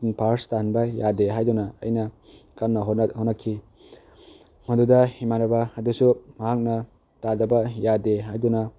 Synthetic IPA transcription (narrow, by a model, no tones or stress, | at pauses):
npʰaɾstahanbɐjadeɦajdunɐɐ̰jnɐ | kamnɐɦonhotnɐkʰːi | ŋondudɐhimanɐbɐhɐdusumɐɦak̚nɐ | tadɐbɐjadeɦajdunɐ